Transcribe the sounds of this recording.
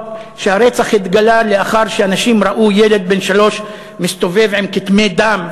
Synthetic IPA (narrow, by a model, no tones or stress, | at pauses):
ʃeaʁet͡saχhit̪ɡalaleaχaʁʃeanaʃimʁaʔuje̞le̞d̪̚be̞nʃalo̞ʃ | mist̪o̞ve̞vʕimkit̪me̞d̪am